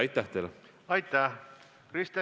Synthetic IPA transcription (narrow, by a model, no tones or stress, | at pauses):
ɑjt̪ːˑæht̪el | ɑjt̪ːæh | krist̪e